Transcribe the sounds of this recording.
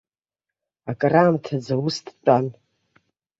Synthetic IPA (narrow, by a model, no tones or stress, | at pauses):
akʼaraːmtʰad͡zawustʰʼt͡pʼan